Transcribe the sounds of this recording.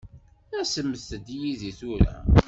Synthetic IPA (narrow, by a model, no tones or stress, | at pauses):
æsəmːəθəd̪jiðiθuɾæ̰